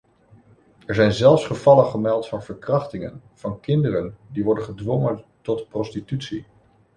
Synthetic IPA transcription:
ɛɹzɛjnzɛlˠfsχəvɑləχəmɛlˠtfɑnv̥əɹkrɑχtɪŋə̰nv̥ɑnkɪndərəndiʋɔɹdənχədʋɔŋəntɔtprɔstitytsi

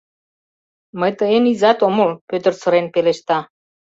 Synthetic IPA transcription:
məjt̪əenizɑt̪omolpøt̪ə̆rt͡sə̆ɾenpeleʃt̪ɑ

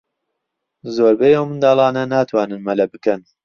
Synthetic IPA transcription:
zoːɾbejowmɨnd̪ɑːlˠɑːnɐnaːt̪ʰwɑːnɨnmɐlɐbɨkɐn

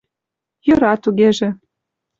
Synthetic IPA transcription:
jɤ̆ɾɑt̪uɣeʒĕ

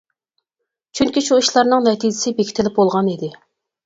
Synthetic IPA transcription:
t͡ʃʰyŋkʲiʃuiʃlˠɑɾnɨŋnɛt̪ʰid͡ʒɪsɪbekʲʰɪ̥t̪ʰɪlɪp̚bolˠʁɑnid̪ɪ

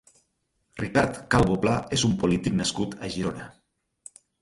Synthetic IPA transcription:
rikaɾt̪kalˠβoplaezumpulit̪iknaskut̪əʒiɾonə

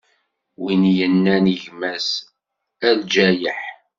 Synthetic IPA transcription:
winjənːæniʝmæs | æld͡ʒæjəħ

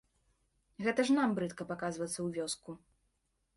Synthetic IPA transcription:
ɣɛt̪ɐʐnambɾɨt̪kɐpakazvɐt̪sːɐwvʲɔsku

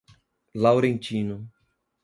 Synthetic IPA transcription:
lawɾẽnt͡ʃinʊ

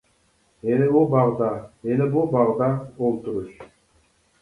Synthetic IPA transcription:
emibulˠbɑʁd̪ɑenibulˠbɑʁd̪ɑolˠt̪uɾuʃ

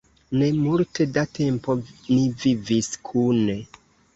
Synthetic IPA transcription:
ne̞multʰe̞datʰe̞mpo̞niviviskʰune̞

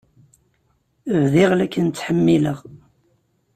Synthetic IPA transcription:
əvðɪʁlækːənt͡sːħəmːiləʁ

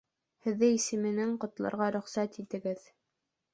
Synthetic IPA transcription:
hɘ̆ðːɘisɘ̆mɘ̆nɘŋqŏt̪lˠɑ̰ɾʁɑɾɵ̆χsæt̪it̪ɘ̆ɡɘð

